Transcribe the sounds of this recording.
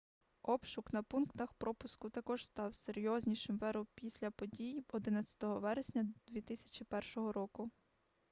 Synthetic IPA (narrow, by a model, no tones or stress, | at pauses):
ɔpʃʊknɐpunkt̪ɐxpɾɔpʊskʊt̪ɐkɔʒst̪ɑwseɾʲjɔzʲnʲiʃɪmʋɛɾɔmpʲisʲlʲɐpɔdʲijɔd̪ɪnɐt͡sʲɐ̥t̪ɔɦɔʋɛɾesʲnʲɐd̪ʋʲit̪ɪsʲɐ̥t͡ʃipɛrʃɔɦɔɾɔkʊ